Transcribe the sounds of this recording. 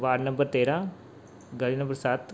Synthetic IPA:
ʋaːɖnə̃mbəɾt̪eːɾãː | ɡəliːnəmbəɾsət̪

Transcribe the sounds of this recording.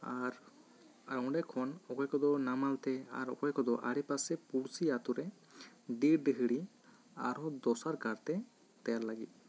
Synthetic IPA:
aɾ | aɾɔ̃wɖɛkʰɔnɔkɔjkɔd̪ɔnamalt̪ɛa̰ɾɔ̰kɔjkɔd̪ɔʔa̰ɾɛpasɛpuɽsiat̪uɾɛ | d̪iɾɖəɦɯɽi | aɾɔd̪ɔsaɾkaɾt̪ɛ | t̪ɛjaɾlaɡit̪̚

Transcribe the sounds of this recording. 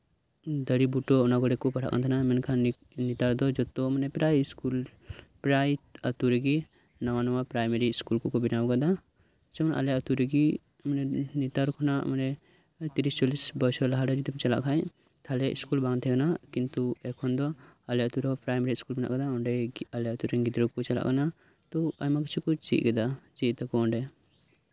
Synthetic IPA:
d̪əɾibuʈɔːnaɡɔɽɛkɔpaʈʰa̰ʔka̰nt̪ʰanamɛnkʰa | nit̪aɾd̪ɔd͡ʒɔt̪ɔmanɛpɾajskulpɾajət̪uɾeɡi | nɔwanɔwapɾajmeɾiːskulkɔkɔbinawɡad̪a | sɛɔna̰lɛət̪uɾeɡi | manɛnit̪aɾkʰɔnaʔmanɛ | t̪iɾist͡ʃɔlisbɔsɔlaɦaɖad͡ʒit̪ɔmt͡ʃala̰ʔkʰaj | t̪ʰalɛʔḭskulbãŋt̪ʰɛkanakint̪uɛkʰɔnd̪ɔalɛat̪uɾɔɔpɾajmeɾiskulbina̰ʔɡad̪aɔɳɖɛalɛat̪uɾɛŋɡid̪ɾɔkɔt͡ʃala̰ʔkana | t̪ɔajmaki̥t͡ʃʰukɔt͡ʃḭʔ̚ɡɛd̪at͡ʃitt̪akɔɔɳɖɛ

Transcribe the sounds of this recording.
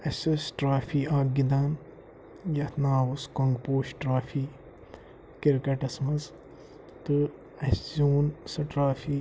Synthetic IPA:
ɐsɐsʈɾaːfiːaːɡ̚ɡid̪aːn | jɐt̪ʰnaːwuskɐŋɡpoːʃʈɾaːfiː | kiɾkɐʈɐsmɐz | t̪ɨ | ɐszuːnsɐʈɾaːfiː

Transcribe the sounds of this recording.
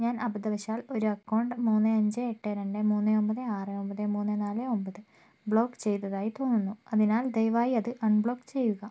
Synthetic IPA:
ɲaːnʔɐbɐd̪ɐʋɐɕaːlo̞ɾuɐkːɐwɳɖɨmuːnːɨɐɲd͡ʑɨeʈːeɾɐɳɖɨmuːnːɨo̞mbɐðɨaːrɨo̞mbɐðɨmuːnːɨnaːlɨo̞mbɐðɨ | bɭo̞ːkːt͡ɕe̞jt̪ːɐðaːjit̪o̞ːnːunːuɐðinaːld̪ejʋaːjiɐðɨʔɐɳbɭo̞ːkːt͡ɕe̞jːuɣɐ

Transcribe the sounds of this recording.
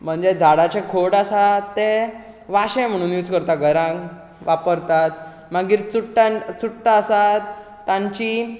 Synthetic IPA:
m̤əɳd͡zed͡zʱaɽat͡ɕẽkʰoɽasae | ʋaɕẽm̤əɽ̃ũːnjut͡skəɾt̪aɡʱəɾã | ʋapəɾt̪at̪̚ | maɡiːɾt͡suʈːat͡suʈːaəsat̪ː | ãɲt͡ɕiː

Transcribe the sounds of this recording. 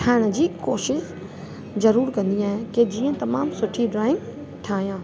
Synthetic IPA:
ʈʰaːɪɽ̃ə̆d͡ʑiːkoːʃɪʃ | zɐɾuːɾkɐ̃nd̪ĩaːɦeked͡ʑiːə̃t̪ɐmaːmsʊʈʰiɖɾaːɪ̃ŋɡ | ʈʰaːɦijãː

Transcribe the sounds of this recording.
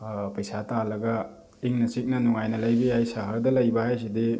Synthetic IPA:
pɐjsatalɐɡɐ | iŋnɐsik̚nɐnuŋajnɐlɐjbiajsaɦɐɾdɐlɐjbaɦajs̬idi

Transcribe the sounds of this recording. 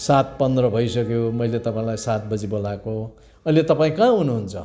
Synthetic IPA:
sat̪̚pʌnd̪rʌbʱʌjsʌkjomʌjlet̪ʌpãĩlajsat̪̚bʌd͡zibolako | ʌjlet̪ʌpaĩkãɦunuɦunt͡sʰʌ

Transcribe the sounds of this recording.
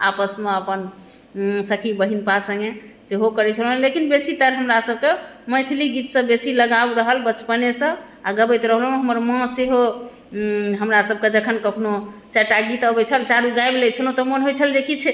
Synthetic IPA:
a̰pəsmeəpən | səkʰibəɦinpasə̃ŋɡe | seɦokəɾɛt͡ʃʰəlɦlːekinbesit̪əɾɦəmɾasəb̚kemə̃jt̪ʰiliɡit̪sə̃besiləɡabɾəɦəlbət͡ʃpənesə̃ | aɡəbəjt̪ɾəɦlɦeɦəməɾmə̃seɦo | ɦəmɾasəb̚ked͡ʒəkʰənkəkʰnot͡ʃəʈaɡit̪əbɛt͡ʃʰəlt͡ʃaɾuɡajblet͡ʃʰəlot̪əmənɦojt͡ʃʰəld͡ʒekit͡ʃʰɛ

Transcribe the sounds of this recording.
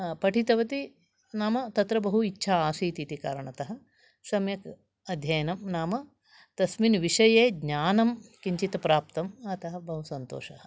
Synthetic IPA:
pɐʈʰit̪ɐʋɐt̪i | naːmɐt̪ɐt̪ɾɐbɐɦuitːʃʰaaːsiːt̪it̪ika̰ːɾɐɳɐt̪ɐɦɐ̆ | sɐmjɐk | ɐd̪ʱjɐjɐnɐmnaːmɐ | t̪ɐsminʋiʂɐjeːɡɲaːnɐmkiɲt͡ʃit̪ɐpɾaːpt̪ɐmɐt̪ɐɦɐbɐɦusɐnt̪o̰ːʃɐɦɐ

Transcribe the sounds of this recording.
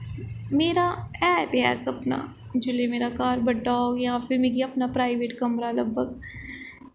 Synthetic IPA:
meːɾaɛːt̪ɦɛ̰ːsɐpna̰ | d͡ʒʊlemeːɾakaːɾbɐɖaːɡjɐɦãfɪɾmeɡiɐpnapɾaːɪʋeːʈkɐmɾalɐbʱəɡ̚

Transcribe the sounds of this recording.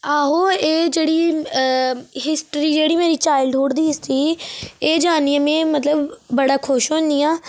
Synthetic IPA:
aːɦoːeːd͡ʒeːɽiː | ɦɪsʈɾiːd͡ʒeːɽiːmeːɾiːt͡ʃaːɪlɖ̪ʱoːɽd̪iːɪst̪iːeːd͡ʒaːniːãːmɛ̃ːmət̪ləbːəɽaːkʰʊʃɦõːnd̪iːaː

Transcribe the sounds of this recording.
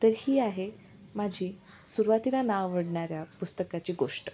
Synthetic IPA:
t̪əɾhiːaɦe | mad͡ʑʱiː | suɾʋat̪ilanaʋʋəɽɳaɾjapust̪əkat͡ɕiːɡoʂʈə̥

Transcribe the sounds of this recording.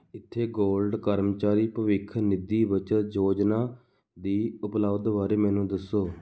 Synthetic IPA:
ɪt̪ʰːeːɡoːlɖkəɾmt͡ʃaːɾiːpəʋɪkʰnɪd̪iːʋət͡ʃət̪d͡ʒoːd͡ʒnaː | d̪iːʊpləʋd̪ʋaːɾeːmɛ̃ːnũːd̪əsːoː

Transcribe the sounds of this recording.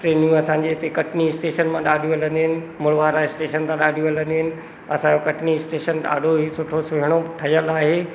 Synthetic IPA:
ʈɾeːnijũɐsãɲd͡ʑet̪ekɐʈʰnisʈeːʃənmãɗaːɗʱijũɐlə̃nd̪iɦɪnɪ̆ | mʊlʋaːɾaɪsʈeːʃənt̪ʰãɗaːɖʱijũɐlə̃nd̪iɦɪnɪ̆ | ɐsãd͡ʑokɐʈʰnisʈeːʃənɗa̰ːɖʱoɦisʊʈʰosʊɦɪɽ̃oʈʰɐjəlaːɦeː

